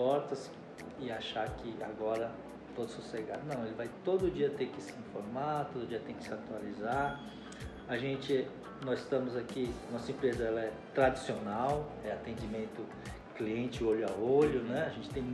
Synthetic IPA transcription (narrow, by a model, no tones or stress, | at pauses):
ɔɾt̪ɐs | ɪaʃakɪa̰ɡɔɾɐ | t̪od̪ʊsuseɡa̰d̪nɐ̃w̃elɪvajt̪od̪ʊʊd͡ʒiɐt̪eɾkɪsɪĩfoɾmaɾt̪od̪ʊd͡ʒiɐt̪ẽj̃kɪ̥sɪat̪ualizaɾ | aʒẽnt͡ʃɪ | nɔzɪst̪ɐ̃mʊzakianɔsɐẽpɾezɐɛlɐɛ | t̪ɾad͡ʒisionawɛat̪ẽnd͡ʒimẽnt̪ʊ | kliẽnt͡ʃɪoʎʊaoʎʊnɛaʒẽnt͡ʃɪ̥t̪ẽj̃